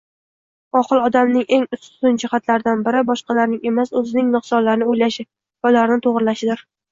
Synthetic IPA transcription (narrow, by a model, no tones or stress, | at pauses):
ɒχɨlˠɒd̪amnɪŋʔe̞ŋʊst̪ʊnd͡ʒɪχat̪laɾɪd̪anbɪɾɪbɒʃqɑlaɾnɪŋe̞masɵzɪnɪŋnɨqsɒnlaɾnɪojlaʃɪ | valaɾnɪt̪ʰoʁɾɪlaʃɪd̪ɪɾ